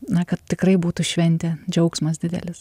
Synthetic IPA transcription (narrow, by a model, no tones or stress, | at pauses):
nɐkɐt̪̚t̪ʲɪkɾɐɪbuːt̪ʊʃʲʋʲɛnʲt̪ʲɛd͡ʒʲɐʊksmɐs̬d̪ʲɪd̪ʲɛ̰lʲɪs